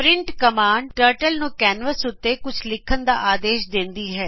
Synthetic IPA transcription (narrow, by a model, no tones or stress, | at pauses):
pɾɪ̃ɳʈkəmaːɳɖʈəːɾʈəlnũːkɛːnʋəsʊt̪ːeːkʊt͡ʃʰlɪkʰːənd̪a̰ːʔaːd̪eːʃd̪ɪ̃nd̪iːɦɛː